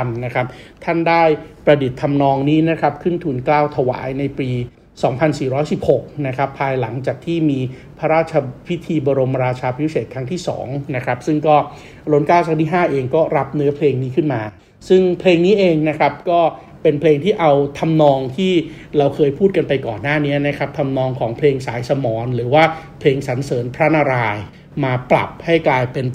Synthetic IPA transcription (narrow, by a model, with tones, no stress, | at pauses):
mna˦˥kʰa˦˥p̚t̪ʰa˥˩ndaː˥˩jpɾa˧di˨˩t̪ʰːa˧mnɔː˧ŋniː˦˥na˦˥kʰɾa˦˥p̚kʰɯ˥˩nt̪ʰuː˩nklaː˥˩wt̪ʰa˧wa̰ː˩˦jna˧jpiː˧ | sɔː˩˦ŋpʰa˧nsiː˨˩ɾɔː˦˥jsi˨˩p̚ho˨˩k̚na˦˥kʰɾa˦˥pʰːaː˧jla̰˩˦ŋt͡ɕaː˨˩k̚t̪ʰiː˥˩miː˧ | pʰa˦˥ɾaː˥˩t̪̚t͡ɕʰa˧pʰi˦˥t̪ʰiː˧bɔː˧ɾo˧mɾaː˧t͡ɕʰaː˧pʰi˦˥seː˨˩kʰa˦˥ŋt̪ʰiː˥˩sɔ̰ː˩˦ŋna˦˥kʰɾa˦˥p̚sɯ˥˩ŋkɔː˥˩ | ɾo˦˥nkaː˥˩wsʰa˦˥ŋt̪iː˥˩ɦaː˥˩ʔeː˧ŋkɔː˥˩ɾa˦˥p̚nɯ˦˥ɐpʰleː˧ŋniː˦˥kʰɯ˥˩nmaː˧ | sɯ˥˩ŋpʰleː˧ŋniː˦˥ʔeː˧ŋna˦˥kʰɾa˦˥p̚kɔː˥˩ | pe˧npʰleː˧ŋt̪ʰiː˥˩ʔa˧wt̪ʰa˧mnɔː˧ŋt̪ʰiː˥˩ | ɾa˧wkʰɤː˧jpʰuː˥˩t̪̚ka˧npa˧jkɔː˨˩nːaː˥˩ni˦˥ɐna˦˥kʰɾa˦˥p̚t̪ʰa˧mnɔː˧ŋkʰɔː˩˦ŋpʰleː˧ŋsaː˩˦jsa˧mɔː˩˦nɾɯː˩˦waː˥˩pʰleː˧ŋsa˩˦nsɤː˩˦npʰɾa˦˥na˧ɾaː˧j | maː˧pla̰˨˩p̚ha˥˩jklaː˧jpe˧n